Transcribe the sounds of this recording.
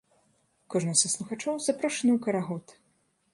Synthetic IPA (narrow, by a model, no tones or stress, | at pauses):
kɔʐnɨsɐslˠuxat͡ʂɔwzapɾɔʂɐnɨwkɐɾaɣɔt̪